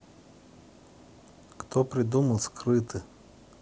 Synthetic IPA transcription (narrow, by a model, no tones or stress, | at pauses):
kt̪opɾʲɪd̪uməlˠskrɨt̪ʰɨ